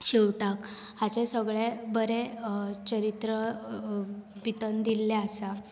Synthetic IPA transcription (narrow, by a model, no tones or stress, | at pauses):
ɕiwʈak | hat͡ɕẽsəɡɭebəɾet͡ɕəɾit̪ɾə | bit̪ənd̪ilːɛasa